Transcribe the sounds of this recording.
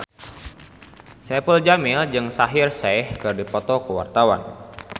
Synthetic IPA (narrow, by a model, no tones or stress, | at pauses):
sɛpəld͡ʒamɪld͡ʒɨŋsaɦirsaɛhkɨrdipɔt̪ɔkəwa̰rt̪awa̰n